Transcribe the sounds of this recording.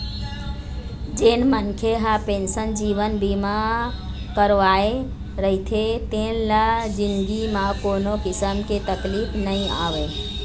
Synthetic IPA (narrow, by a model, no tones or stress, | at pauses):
d͡ʒeːnmənkʰeɦapẽːnsənd͡ʒiːʋənbʱimã | kəɾʋaːe | ɾəɦit̪ʰet̪ẽːnləd͡ʒɪ̃nd̪ɡimãkoːnokɪsəmket̪əkliːpʰnəɦĩa̰ːʋeː